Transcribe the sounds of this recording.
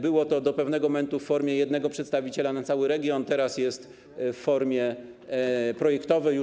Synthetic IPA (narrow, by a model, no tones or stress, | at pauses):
bɘwɔt̪ɔd̪ɔpɛvnɛɡɔmɛnt̪ufːɔɾmʲjɛjɛd̪nɛɡɔpʂɛt̪st̪avʲit͡ɕɛlanat̪sawɘɾɛɡʲjɔnt̪ɛɾasjɛst̪ | fːɔɾmʲjɛ | pɾɔjɛkt̪ɔvɛju